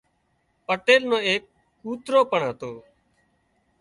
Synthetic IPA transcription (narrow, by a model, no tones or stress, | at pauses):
pəʈeːlnõːeːkː | uːt̪ɾoːpəɳɦət̪oː